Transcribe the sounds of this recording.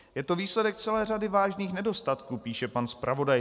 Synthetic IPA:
jɛt̪o̞viːslɛdɛk̚t͡sɛlɛːr̝adɪvaːʒniːxnɛdo̞st̪at̪kuːpiːʃɛpanspɾʔavo̞daj

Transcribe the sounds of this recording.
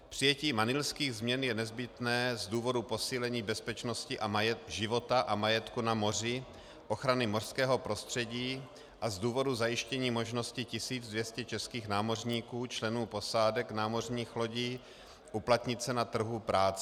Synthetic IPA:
pr̥ɪjɛciːmanɪlskiːɣzmɲɛnjɛnɛzbɪt̪nɛːzduːvo̞dupo̞siːlɛɲiːbɛspɛt͡ʃno̞scɪʔamajɛʒɪvo̞t̪aʔamajɛt̪kunamo̞rɪ | ʔoxɾanɪmor̥skɛːɦo̞pɾo̞st̪r̝̥ɛɟiː | ʔazduːvo̞duzajɪʃcɛɲiːmo̞ʒno̞scɪcɪsiːd͡zdvjɛscɛt͡ʃɛskiːxnaːmo̞rɲiːkuːt͡ʃlɛnuːpo̞saːdɛknaːmo̞rɲiːxlo̞ɟiː | ʔuplat̪ɲɪt͡sɛnat̪r̩ɦupɾaːt͡sɛ

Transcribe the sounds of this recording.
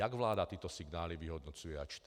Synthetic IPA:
aɡʋlaːd̪at̪iːt̪ɔsiɡnaːliʋiɦɔd̪nɔt͡sujɛat͡ʃt̪

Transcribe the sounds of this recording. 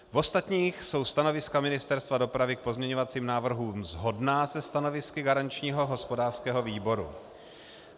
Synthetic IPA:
vo̞st̪at̪ɲiːxso̞wst̪ano̞vɪskamɪnɪst̪ɛɾst̪vado̞pɾavɪk̚po̞zmɲɛɲo̞vat͡siːmnaːvr̩ɦuːmzɦo̞dnaːzɛst̪ano̞vɪskɪɡaɾant͡ʃɲiːɦo̞ɦo̞spo̞daːrskɛːɦo̞viːbo̞ɾṵ

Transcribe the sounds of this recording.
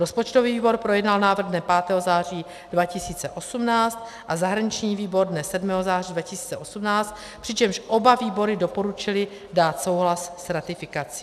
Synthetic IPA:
ɾospo̞t͡ʃt̪oviːviːbo̞ɾpɾojɛdnalnaːvrɣdnɛpaːt̪ɛːɦozaːr̝iː | dvacɪsiːt͡sɛʔo̞sumnaːt͡st̪̚ | ʔazaɦɾaɲɪt͡ʃɲiːviːbo̞ɾdnɛsɛdmɛːɦozaːridvacɪsi̥ːt͡sɛʔo̞sumnaːt͡st̪̚ | pr̥ɪt͡ʃɛmʃʔo̞baviːbo̞ɾɪdo̞po̞ɾut͡ʃɪlɪ | daːt̪so̞wɦlassɾat̪ɪfɪkat͡si̥

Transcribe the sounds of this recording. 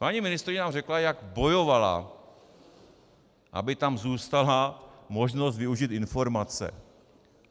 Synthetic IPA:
paɲimɪnɪst̪ɾɪɲɛnaːmrɛklajaɡbo̞jovala̰ | ʔa̰bɪt̪amzuːst̪alamo̞ʒno̞st̪vɪuʒit̪ɪnfo̞ɾmat͡sɛ̰

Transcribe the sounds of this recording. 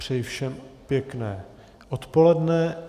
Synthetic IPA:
r̝̥ɛjfʃɛmpjɛknɛː | ʔot̪po̞lɛdnɛ

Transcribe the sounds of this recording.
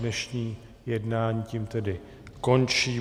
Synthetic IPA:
nɛʃɲiː | jɛdnaːɲiːcimt̪ɛdɪ | ko̞nt͡ʃiː

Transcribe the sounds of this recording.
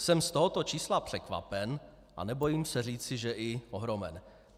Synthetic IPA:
sɛmst̪o̞ɦot̪o̞t͡ʃiːslapr̝̥ɛkva̰pɛn | ʔa̰nɛbo̞jiːmsɛriːt͡sɪʒɛʔɪʔo̞ɦɾo̞mɛ̰n

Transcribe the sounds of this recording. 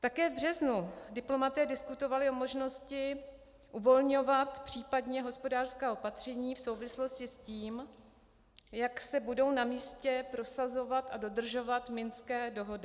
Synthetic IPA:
t̪akɛːvbr̝ɛznudɪplo̞mat̪ɛːdɪskut̪o̞valɪo̞mo̞ʒno̞scɪ | ʔuvo̞lɲo̞vat̪pr̝̥iːpadɲɛɦo̞spo̞daːrskaːʔo̞pat̪r̝̥ɛɲiːfso̞wvɪslo̞scɪsciːm | jaksɛbudo̞wnamiːscɛpɾo̞sazo̞vat̪ado̞dr̩ʒo̞vat̪mɪnskɛːdo̞ɦo̞dɪ

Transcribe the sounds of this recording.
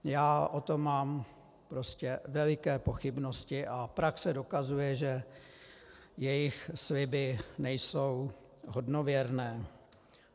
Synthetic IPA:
jaːʔot̪o̞mːaːm | pɾo̞scɛvɛlɪkɛːpo̞xɪbno̞scɪʔapɾaksɛdokazujɛʒɛ | jɛjɪxslɪbɪnɛjso̞w | ɦo̞dno̞vjɛɾnɛː

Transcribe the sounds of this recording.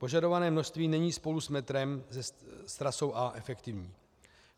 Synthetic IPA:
po̞ʒado̞vanɛːmno̞ʃst̪viːnɛɲiːspo̞lusmɛt̪ɾɛmzɛst̪ɾaso̞wʔaʔɛfɛkt̪ɪvɲiː

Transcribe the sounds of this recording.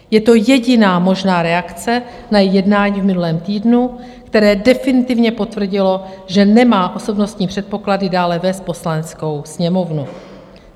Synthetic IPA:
jɛt̪o̞jɛɟɪnaːmo̞ʒnaːɾɛakt͡sɛ | najɛjɛdnaːɲiːvmɪnulɛːmt̪iːdnu | kt̪ɛɾɛːdɛfɪnɪt̪ɪvɲɛpo̞t̪vr̩ɟɪlo̞ʒɛnɛmaːʔo̞so̞bnost̪ɲiːpr̝̥ɛt̪̚po̞kladɪdaːlɛvɛst̪̚po̞slanɛt͡sko̞wsɲɛmo̞vnu

